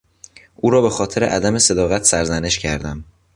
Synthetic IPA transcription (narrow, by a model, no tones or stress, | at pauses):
ʔuːɾɒːbe̞xɒːt̪ʰe̞ɾeʔæd̪æme̞se̞d̪ɒːɣæt̪ʰsæɾzæne̞ʃcʰæɾd̪æm